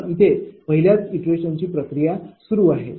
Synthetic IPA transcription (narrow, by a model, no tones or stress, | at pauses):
it̪epəɦiljat͡siʈɾeɕəɲt͡ɕiːpɾəkɾijasuɾuːaɦe